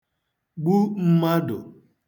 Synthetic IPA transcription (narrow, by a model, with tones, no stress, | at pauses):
ɡ͡bu˦m̩˦ma˦dʊ̰˨